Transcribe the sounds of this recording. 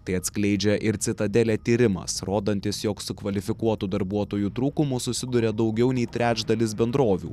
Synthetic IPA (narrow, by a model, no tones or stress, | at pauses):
t̪ɐɪɐt̪ʲsʲklʲɛɪd͡ʒʲɛʔɪɾt̪ʲɪt̪ɐd̪ʲɛlʲeːt̪ʲiːɾʲɪmɐ̰sɾoːd̪ɐnʲt̪ʲɪsjoːksʊkʋɐlʲɪfʲɪkuɔt̪ud̪ɐɾbuɔt̪oːjut̪ɾuːkʊmʊsʊsʲɪd̪ʊɾʲed̪ɒʊɡʲɛʊnʲɛɪt̪ʲɾʲæːt͡ʃd̪ɐlʲɪsbʲɛnd̪ɾoːʋʲṵː